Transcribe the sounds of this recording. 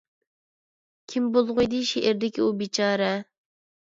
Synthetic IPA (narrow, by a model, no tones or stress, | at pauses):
kʲʰimbolˠʁʊjd̪ɨʃeʔɪɾd̪ɪkʲiubit͡ʃʰɑːɾɛ